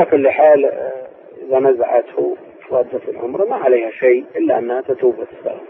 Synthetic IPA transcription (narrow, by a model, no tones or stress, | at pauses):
alakʊlːħaːl | ʔɪðanazaʕat̪hu | wɑd̪ːafɪlʕʊ̰mɾˤmaʕaleːhaʃijʔɪlːaʔanːhat̪at̪uːbat̪sa̰la